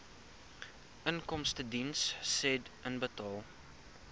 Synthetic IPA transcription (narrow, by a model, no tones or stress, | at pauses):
ʔənkɔmstədinsːɛdənbətɑːlˠ